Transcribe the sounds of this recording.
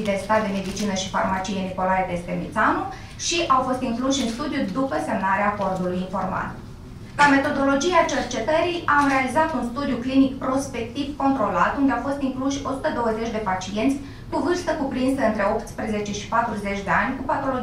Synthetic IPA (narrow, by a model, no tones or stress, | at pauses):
d̪e̞st̪at̪̚d̪e̞me̞d̪it͡ʃinəʃifa̰rmat͡ʃijeniko̞laet̪est̪emḭt̪sanu | ʃiʔawfo̞st̪iŋkluʃʲɨnst̪ud̪jud̪upəse̞mnaɾeaːko̞rd̪ulujiɱfo̞rma̰l | lame̞t̪o̞d̪o̞lo̞d͡ʒiat͡ʃe̞rt͡ʃe̞t̪əɾijʔamre̞alizat̪unst̪ud̪ijuklinikpɾo̞spe̞k̚t̪ivko̞nt̪ɾo̞lat̪und̪e̞awfo̞st̪iŋkluʃʲo̞sut̪əd̪o̞wəze̞t͡ʃʲd̪e̞pat͡ʃie̞nt̪sʲ | kuvɨrst̪əkupɾinsəɨnt̪ɾe̞opt̪spɾeze̞t͡ʃe̞ʃi̥pat̪ɾuze̞t͡ʃʲd̪e̞anʲkupat̪o̞lo